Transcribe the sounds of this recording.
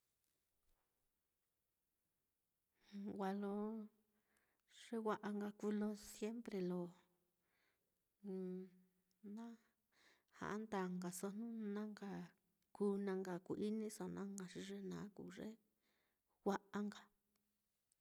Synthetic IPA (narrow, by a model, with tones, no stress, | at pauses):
wa˨lo˧ | ʐ̥e˦wʷa˦ʔa˧ŋɡa˧ku˧˦lo˧˦sje˦mpɾe˨lo˨ | nã˦ | hã̰˨ʔnd̪a˨ŋɡa˨so˧n̥ũ˦nã˦ŋɡa˨ | ku˦nã˧ŋɡa˨ku˨ʔi˦nĩ˦so˨nã˦ŋɡa˨ʂi˧ʐe˦nã˨˦kṵː˧˨ʐe˦ | wʷa˦˧ʔa˦ŋɡa˨